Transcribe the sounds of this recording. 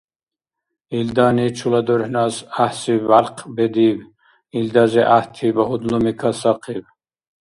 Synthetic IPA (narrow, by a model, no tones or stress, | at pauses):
ild̪ɑːnit͡ʃʰulad̪ɔɾhnɑsahsibalqʰbɛd̪iv | ild̪ɑziʔaht̪ʰibahud̪lumikʰasɑqʰiv